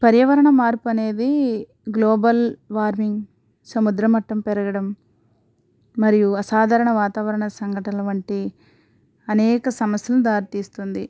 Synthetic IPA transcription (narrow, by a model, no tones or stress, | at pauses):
pɐɾjɐʋɐɾɐɳɐmaːɾpuɐne̞ːd̪i | ɡloːbɐlʋaːɾmiŋɡ | sɐmud̪ɾɐmɐʈːɐmpɛɾɐɡɐɽɐm | ɐɾijuɐsaːd̪ʱaːɾɐɳɐʋaːt̪aːʋɐɾɐɳɐsɐŋɡʱɐʈɐlɐʋɐɳʈi | ɐnɛːkɐsɐmɐsjɐlud̪aːɾit̪iːst̪und̪i